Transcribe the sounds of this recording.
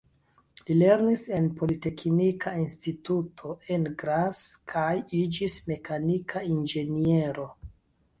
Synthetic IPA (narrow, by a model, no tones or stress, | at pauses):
lile̞ɾnise̞npo̞lite̞knikʰainstitutʰo̞ʔe̞nɡɾaskʰajid͡ʒisme̞kʰanikʰaind͡ʒe̞nie̞ɾo̞